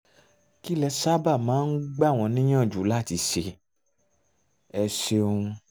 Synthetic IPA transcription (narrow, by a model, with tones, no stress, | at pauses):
ki˦lɛ˧sa˦ba˦˨mãː˨˦n̩˦ɡ͡ba˦˨w̃ɔ̃˧nĩ˦j̃ã˦˨d͡ʒu˨˦la˦˨ti˧˦ʃe˧ | ɛ˧ʃe˧ũ˧